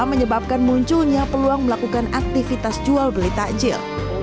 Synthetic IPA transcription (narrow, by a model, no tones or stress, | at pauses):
məɲəbap̚kanmuɲt͡ʃulɲapəluaŋməlakukanak̚t̪ifit̪asd͡ʒualbəlit̪ad͡ʒɪ̰r